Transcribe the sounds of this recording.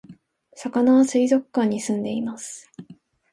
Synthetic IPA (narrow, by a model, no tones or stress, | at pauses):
sakanaβasɨizo̞kːãɲ̟ːisɨ̃nd̪e̞imasɨ̥